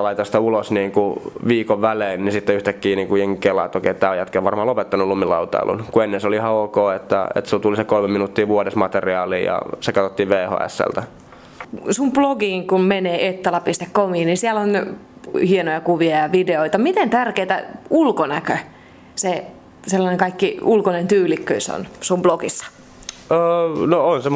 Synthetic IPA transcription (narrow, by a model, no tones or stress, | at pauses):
lɑit̪ɑst̪ɑulosniːŋkuʋiːkoʋʋæleːnnisit̪ːeyht̪ækːiːniːŋkujeŋkːelːɑ̰ːt̪ːokḛit̪ːæːojæt̪keʋɑrmɑːlopet̪ːɑnulumːilɑut̪ɑ̰ḭlʔṵnkuenːenseolihɑoːkoːet̪ːæ̰ḛt̪sult̪ulisekolmeminut̪ːiːʋuodesmɑt̪eriɑːliːjɑ̰sekɑt̪ot̪ːiːʋʋeːho̰ːæ̰sːæ̰lt̪æ | sumb̥loɡiːŋkummeneːʔet̪ːɑlɑpist̪ekkomiːnnisiælon | hienojɑkuʋiɑjɑʋideoit̪ɑmit̪ent̪ærkeːt̪æ̰ulkonækø | se | selːɑneŋkɑikːiulkonent̪yːlikːøiso̰nsumbloɡ̥isːɑ̥ | əːnoonsem